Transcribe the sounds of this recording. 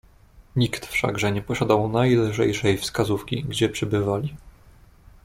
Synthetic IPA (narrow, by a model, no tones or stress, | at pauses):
ɲikt̪fʂa̰ɡʐɛɲɛpɔɕad̪awnajlʐɛjʂɛjfskazufkʲḭɡd͡ʑɛpʂɘbɘvalʲi